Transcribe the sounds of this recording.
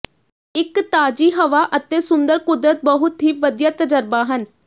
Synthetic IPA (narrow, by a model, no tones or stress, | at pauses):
ɪkt̪aːd͡ʒiːɦəʋaːʔət̪eːsʊnd̪əɾkʊd̪ɾət̪̚bəɦʊt̪ɦiːʋəd̪jaːt̪əd͡ʒəɾbaːɦən